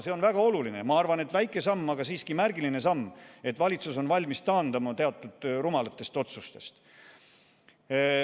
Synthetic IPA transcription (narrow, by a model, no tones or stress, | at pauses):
se̞o̞nvæɡ̥ɑo̞lulinemɑɑrvɑne̞t̪væjkˑːe̞sɑmːɑɡɑsiːskimærɡiline̞sɑmːe̞t̪ːˑvɑlʲit̪suso̞nvɑlʲmist̪ɑːnd̪ɑmɑt̪e̞ɑt̪ːˑud̪̥rumɑlɑt̪ːˑe̞st̪o̞t̪sust̪e̞st̪